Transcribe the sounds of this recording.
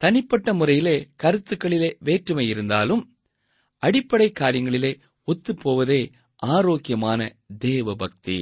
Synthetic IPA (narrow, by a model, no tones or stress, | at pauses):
t̪ɐnɪpːɐʈːɐmʊrɐjɪleːkɐɾɯt̪ːɯkːɐɭɪleːʋeːʈrɯmɐjɪɾɯnd̪aːlɯm | ɐɽɪpːɐɽɐɪkːaːɾɪjɐŋɡɐɭɪleː | ɔt̪ːɯpːoːʋɐðeː | aːɾoːkɪjɐmaːnɐ̰ | d̪eːʋɐbɐk̚t̪ḭ